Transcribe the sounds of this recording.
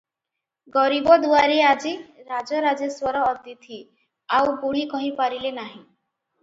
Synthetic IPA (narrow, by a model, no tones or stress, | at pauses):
ɡɔɾibɔd̪uaɾead͡ʒiɾad͡ʒɔɾad͡ʒeswɔɾɔːd̪jit̪ʰi | awbuɽ̤̃ikɔɦipaɾilenaɦĩ